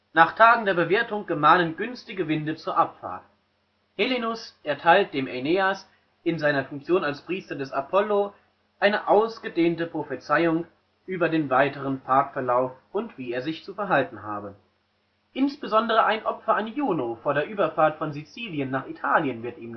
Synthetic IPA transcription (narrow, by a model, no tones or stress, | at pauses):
naːχtʰaːɡŋ̩deːɐbəveːɐtʊŋɡ̥əmaːnənɡʏnstɪɡəvɪndət͡suːɐʔapfa̰ɐt | helenʊsʔɛɐtʰaɪlt̚d̥eːmʔeneːas | ʔɪnzaɪnɐfʊŋk̚t͡sjoːnalspʁ̥iːstɐdɛsapʰɔlo | ʔaɪnəʔaʊsɡ̥ədeːntəpʁ̥ofət͡saɪʊŋ | ʔyːbɐdeːnvaɪtəʁənpʰaɐkfɛɐlaʊf | ʊntv̥iːeːɐzɪçt͡sufɛɐɦaltn̩ɦa̰ːbə | ʔɪnsb̥əzɔndəʁ̞əʔaɪnʔɔpfɐanjuːnofoːɐɾeːɐʔyːbɐfaːɐtfɔnzit͡siːljənːaːχitʰaːljənvɪɐtiːm